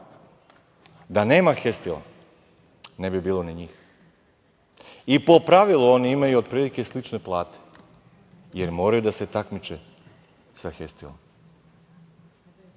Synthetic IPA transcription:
d̪ane̞ːmaxe̞st̪ilˠa̰ | ne̞bibiːlˠo̞niɲiːx | ipo̞pɾaʋilˠuo̞niimajuod̪̚pɾiːlike̞slit͡ʃne̞plˠaːt̪e̥ | jeɾmo̞ːɾajud̪ase̞t̪akmit͡ʃe | saxest̪ilˠo̰m

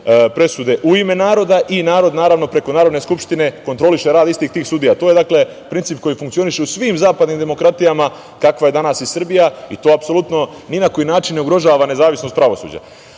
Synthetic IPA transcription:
pɾe̞sud̪e̞ʔuime̞naːɾo̞d̪aʔinaːɾo̞d̪naːɾaʋno̞pɾe̞ko̞naːɾo̞d̪neskupʃt̪ine̞ko̞nt̪ɾo̞liʃe̞ɾaːd̪ist̪iːxt̪iːxsud̪ijat̪o̞ːje̞d̪akle̞ | pɾint̪ip̚ko̞jifuŋkt̪sio̞niʃe̞usʋiːmzaːpad̪niːmd̪e̞mo̞kɾat̪ijama | kakʋaje̞d̪anasisr̩bijait̪o̞ːapsolut̪no̞ | ninako̞jinaːt͡ʃinːeuɡɾo̞ʒaːʋane̞zaːʋisno̞st̪̚pɾaʋo̞sṵd͡ʑa̰

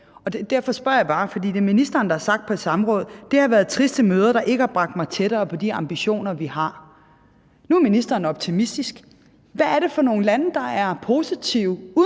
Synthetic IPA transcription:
ɒ̽ded̥æɐfɒ̽sb̥ɶ̰ɐ̰jɑ̈ɪb̥ɑ̈ːfɒ̽dḭːd̥e̝minisd̥ɐːnd̥ɑæɐsɑ̈ɡ̥̚d̥̚pʰɒ̽d̥sɑ̈məʁɔ̽ːð̞̩ˠd̥e̝hɑ̈ʋæːɐðˠt͡sʰʁisd̥əmøːð̞ˠɐɾ̥ɑ̈ʔe̝ɡ̥əhɑ̈b̥ʁɑ̈ɡ̥d̥mɑ̈ɪt͡sʰeɾ̥ɐːpʰɒ̽d̥iɑ̈mb̥iɕo̝̰ːnɐʋihɑ̈ | nuæɐminisd̥ɐːn̩ɒ̽b̥̚t͡sʰimisd̥isɡ̥ | ʋæːɐɾe̝fɒ̽no̝ːn̩lænəd̥ɑ̈æɐpʰo̝ːsit͡sʰiʊu

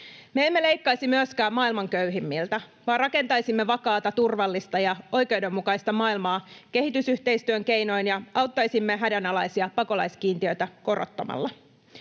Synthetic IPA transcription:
meemːe̞le̞jkːɑjsimyøskæːmmɑːilmɑŋkøɥɦimːilt̪æ | ʋɑːrrɑke̞nt̪ɑjsimːe̞ʋɑkɑːt̪ɑt̪urʋɑlːist̪ɑjɑo̞jke̞wde̞mːukɑjst̪ɑmɑːilmɑːke̞ɦit̪ysyht̪e̞ist̪yøŋke̞jno̞jnjɑɑwt̪ːɑjsimːe̞ɦædænɑlɑjsiɑpɑko̞lɑ̰jskiːnt̪iø̞t̪æko̞ro̞̰t̪ːɑmɑ̰lːɑ

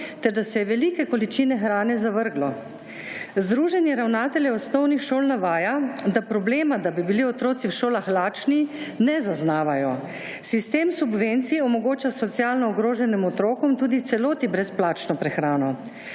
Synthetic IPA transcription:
t̪ɛɾd̪asɛjɛʋɛliːkɛkɔlit͡ʃiːnɛxɾaːnɛzaʋəɾɡlɔ | zd̪ɾuːʒɛnjɛɾawnaːt̪ɛljɛɔsnɔwnixʃoːlnaʋaːjad̪apɾɔbleːmad̪abibiliɔt̪ɾoːt̪siwʃoːlaxlaːt͡ʃninɛzaznaːʋajɔ | sist̪eːmsubʋent̪siɔmɔɡoːt͡ʃasɔt̪sjalnɔɔɡɾoːʒɛnimɔt̪ɾoːkɔmt̪uːd̪it̪sɛloːt̪ibɾɛsplaːt͡ʃnɔpɾɛxɾaːnɔ

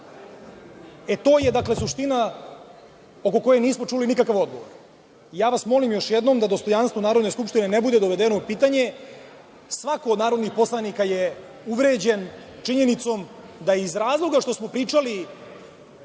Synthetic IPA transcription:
et̪o̞ːje̞d̪akle̞suʂt̪ina | o̞ko̞ko̞jeniːsmo̞t͡ʂulinikakaʋo̞d̪̚ɡo̞ʋo̰ɾ | jaːʋasmo̞limjo̞ʃjed̪nomd̪ad̪o̞st̪o̞janst̪ʋo̞naːɾod̪neskupʂʃt̪ine̞nebud̪ed̪o̞ʋe̞d̪eno̞upiːt̪aɲe̞ | sʋakoːd̪naːɾo̞d̪nixpo̞slˠanikaje | uʋɾe̞d͡ʑen | t͡ʂiɲe̞nit̪so̞m | d̪ajizɾaːzlˠo̞ɡaʂt̪o̞smo̞pɾiːt͡ʂali

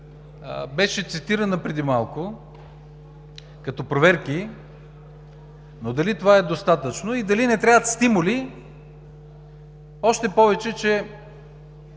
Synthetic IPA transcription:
bɛʃɛt̪sit̪iɾənəpɾɛd̪imalˠkʊ | kɐt̪ɔpɾovɛɾki | nod̪ɐlit̪ovaɛd̪ost̪at̪ət͡ʃnoid̪ɐlinɛt̪ɾʲavət̪st̪imʊli | ɔʃt̪ɛpɔvɛt͡ʃɛt͡ʃɛ

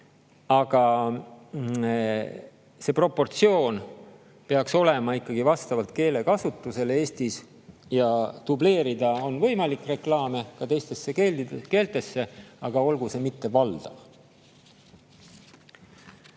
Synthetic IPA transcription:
ɑɡ̥ɑ | se̞ːpro̞pːo̞rt̪sio̞ːn | peɑkso̞le̞mɑikːɑɡ̥ivɑst̪ɑvɑlt̪̚ke̞ːle̞kɑsut̪ːˑuse̞lee̞ːst̪is | jɑt̪uble̞ːɾid̪̥ɑo̞nvɤ̞jmɑlikre̞klɑːme̞kɑt̪e̞jst̪e̞sːe̞keːld̪id̪ke̞ːlt̪e̞sːe̞ɑɡ̥ɑo̞lɡ̥use̞mit̪ːe̞vɑld̪̥ɑ̰v

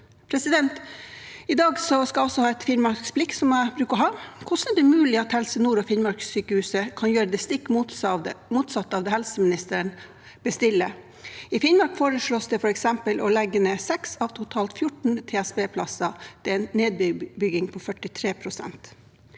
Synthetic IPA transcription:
pʰɾɛsɪd̪ɛnt̪ | ɪd̪ɑːɡsɔskɑɔsːɔhɑːɛt̪fɪnmɑɾsksb̥lɪksɔmæɪbɾʉːkəɔɦɑːkʰʊsnɛɖ̪ɛmʉːlɪɑt̪hɛlsənuːɾɔfɪnmɑɾksyːkəhʉːsəkʰɑnjøːɾəd̪ɛst̪ɪkːmumuːt̪sɑt̪ːɑːʋd̪ɛhɛlsəmɪnɪst̪əɾən | b̥əst̪ɪlːə | ɪfɪnmɑɾkfoːɾəʂɭoːsd̪ɛfɔɾɛksɛmpəlʔɔlɛɡːənɛːsɛksɑʋt̪ʰʊt̪ʰɑːlt̪fjʊʈɳ̩t̪ʰeːæsbeːpʰlɑsɑd̪̥ɛɛnneːd̪̚bbʏɡɪŋpʰɔfœʈɪt̪ʰɾeːpʰɾʊsɛ̰nt̪

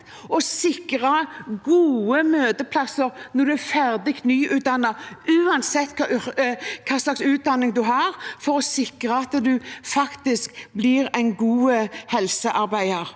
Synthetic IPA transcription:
ɔsɪkɾɑɡuːəmøːd̪əpʰlɑsəɾnɔɾd̪ʉæfæɾd̪ɪkt̪nyːʔʉːt̪̚d̪ɑnːɑʉːɑnsɛt̪ːkʰɑ | kʰɑːslɑksʉːt̪̚d̪ɑnːɪŋd̪ʉɦɑːɾfɔɾɔsɪkɾəɑt̪d̪ʉfɑkt̪ɪskblɪɾæɪnɡuːəhɛlsəʔɑɾbæɪəɾ

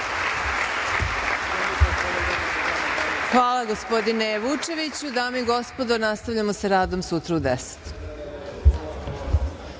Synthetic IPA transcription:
xʋaːlˠaɡospo̞d̪ineʋut͡ʃe̞ʋit͡ɕud̪aːmiɡo̞spo̞d̪onast̪avʎʲamosaɾaːd̪o̞msut̪ɾuud̪ese̥t̪

